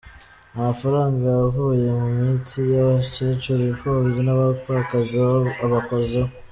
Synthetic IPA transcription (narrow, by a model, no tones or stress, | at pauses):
amafaɾaːŋɡajaβavuːje̞mumiːnt͡sijaβacet͡ʃuɾifuβizinaβakakaziaβakozeo